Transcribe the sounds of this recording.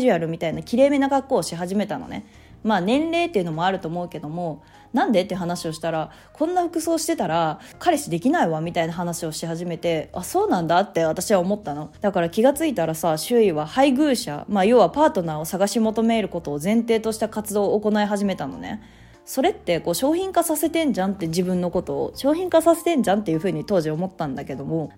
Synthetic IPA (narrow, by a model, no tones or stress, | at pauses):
ʑɯaɾɯ̟mʲit̪ainakʲiɾe̞ːme̞naɡakːo̞ːɕiɦaʑime̞t̪ano̰nḛ | maːnẽ̞nɾe̞ːt̪ːeɯ̟no̞mo̞aɾɯ̟t̪o̞ːmo̞ɯ̟ke̞d̪o̞mo̞ | nãnd̪e̞t̪ːeɯ̟ɦanaɕioɕi̥t̪aɾa | kʰõ̞nːaɸɯ̟kɯ̟so̞ːɕi̥t̪e̞t̪aɾa | kaɾe̞ɕid̪e̞kʲinaiβamʲit̪ainaɦanaɕio̞ɕeɦaʑime̞t̪e̞aso̞ːnãnd̪at̪ːe̞β̞at̪aɕiβaomo̞t̪ːano̞d̪̥akaɾakʲiɡat͡sɨit̪aɾasaɕɨiβahaiɡɯ̟ːɕa̰maːjo̞βapaːt̪o̞nao̞saɡaɕimo̞t̪o̞me̞ːɾɯ̟ko̞t̪o̞ːzẽ̞nt̪e̞ːt̪o̞ɕi̥t̪akat͡sɨd̪o̞ːko̞naeɦaʑime̞t̪ano̞̰ne̞̰ | so̞ɾe̞t̪ːe̞ko̞ːɕo̞ːçĩŋkasase̞t̪ẽ̞ɲ̟d͡ʑãnt̪ːe̞d͡ʑibɯ̟̃nːo̞ko̞t̪o̞̰ːɕo̞ːçĩŋkasase̞̥t̪ẽ̞ɲ̟d͡ʑãnt̪ːe̞jɯ̟ɸɯ̟ːɲ̟it̪o̞ːʑio̞mo̞t̪ːãnd̪ake̞d̪o̞mo̞